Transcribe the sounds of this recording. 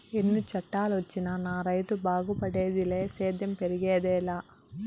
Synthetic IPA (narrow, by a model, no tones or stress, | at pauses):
enːut͡ʃɐʈːaːluʋɐt͡ʃːinɐnaːɾɐjt̪ubaːɡupɐɽeːd̪ileːsɛːd̪jɐmpeɾiɡeːd̪ɛːlaː